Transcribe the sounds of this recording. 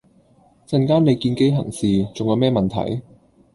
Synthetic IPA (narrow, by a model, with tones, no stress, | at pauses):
t͡sɐ˨nkaː˥ne˨˧jkiː˧nke˥jɦɐ̰˨˩ŋsiː˨t͡sʊ˨ŋjɐ˨˧wmɛː˥mɐ˨nt̪ʰɐ̰˨˩j